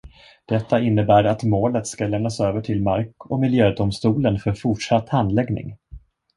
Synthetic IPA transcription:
d̪̥ɛt̪ʰːaɪnːəbæːɾat̪moːlət̪skalɛmnasøːvəʈʰɪlmaɾkɔmɪljøːd̪ʊmst̪uːlənfœɾfʊʈʂat̪ːhand̪lɛɡnɪ̰ŋ

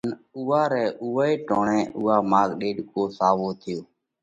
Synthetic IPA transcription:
nuːaːɾɛːʔuːeːʈoːɳɛ̃ːʔʊːaːmaːɡɗeːɗkoːsaːʋoːt̪ʰɪjoː

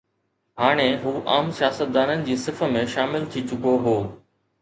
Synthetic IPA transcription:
haːɽ̃eɦuːʔa̰ːmsijaːsət̪̚d̪aːnənɪ̆d͡ʑiːsɪfə̆mẽʃaːmɪlt̪ʰit͡ɕʊkoɦoː

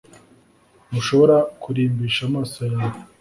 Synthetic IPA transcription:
muʃo̞βo̞ɾakʰuɾiːmbiːʃamaːsojawo

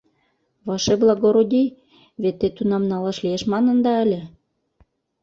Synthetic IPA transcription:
βɑʃeblˠɑɡoɾod̪ʲij | βet̪ːet̪unɑmnɑlɑʃlieʃmɑnə̆nd̪ɑælʲĕ

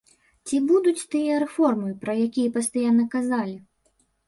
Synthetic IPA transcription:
t͡sʲibud̪ut͡sʲt̪ɨjɐɾɛfɔrmɨjpɾɐjakʲijɐpɐst̪ajanɨkazalʲi

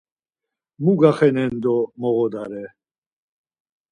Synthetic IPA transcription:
muɡaχɛnɛnd̪ɔmɔɣɔd̪aɾɛ

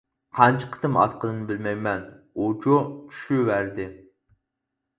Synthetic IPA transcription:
qʰɑnt͡ʃʰə̥qʰə̥t̪ɨmɑ̰t̪qʰəlˠɨnɨbɪlmɛjmɛn | ot͡ʃot͡ʃʰy̥ʃywæɾd̪ɪ

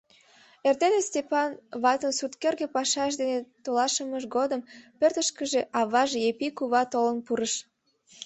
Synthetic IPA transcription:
ert̪enesʲtʲepɑnβɑt̪ənsut̪kerɣepɑʃɑʃ̬d̪enet̪olɑʃəməʃɡod̪əmpørt̪əʃkəʒeʔɑβɑʒjepikuβɑt̪olənpuɾəʃ

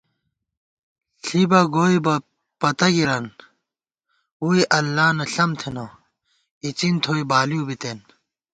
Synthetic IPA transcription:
ɬibɐɡoːibɐ | pɐt̪ɐɡiɾɐn | uːiʔɐlːaːnɐɬɐmt̪ʰeno | it͡sint̪ʰoːibaːlijubit̪en

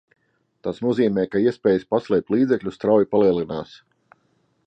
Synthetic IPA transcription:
t̪asnuɔziːmɛːkaiɛspʲɛːjəspaslɛːp̚t̪lˠiːd̪zɛklʲust̪ɾawjipaliɛlinaːs

